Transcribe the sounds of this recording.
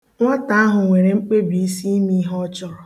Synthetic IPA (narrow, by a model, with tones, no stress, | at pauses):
ŋʷa˦ta˨a˦ɦʊ˨ŋʷe˨ɾe˨ŋ͡m̩˦k͡pe˦bi˨i˦si˦mi˦ɦɔ˦t͡ʃɔ˦ɾɔ˨